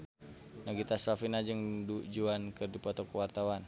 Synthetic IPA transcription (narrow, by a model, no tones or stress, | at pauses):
naɡit̪asafinad͡ʒəŋdud͡ʒuankərdipɔt̪ɔkəwart̪awan